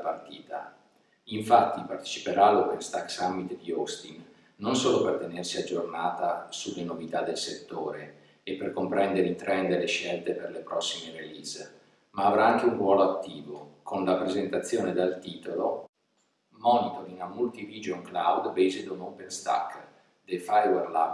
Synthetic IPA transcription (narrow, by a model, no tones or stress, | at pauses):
part̪iːt̪a | iɱfat̪ːipart̪e̥t͡ʃi̥peɾaːlːopenst̪akːsamːit̪d̪iɔst̪inː | onsoːlopert̪enersiad͡ʒːornaːt̪asulːenovit̪ad̪ːelset̪ːoːɾe | epːerkompɾɛnd̪eɾeit̪ɾɛnd̪eɾeleʃːɛlt̪eperlepɾɔsːimeɾeliz | maːvɾaaŋk̟eunrwɔːloat̪ːiːvokʰonlapɾezent̪at̪sːjoːned̪alt̪iːt̪olo̰ | mɔnit̪oɾiŋamːult̪ivid͡ʒoŋklawd̪bejzet̪omopenst̪a̰kː | d̪efajwerla̰